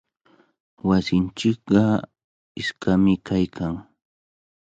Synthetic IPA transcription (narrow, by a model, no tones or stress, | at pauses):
wasɪnt͡ʃɪkɢɑ | ɪskamɪkʰajkʰaŋ